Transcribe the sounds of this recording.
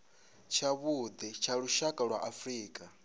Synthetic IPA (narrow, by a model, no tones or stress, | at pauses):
t͡ʃʰaβud̪ɛt͡ʃʰaɺuʃakʼaɺwaʔafɾiːkʼa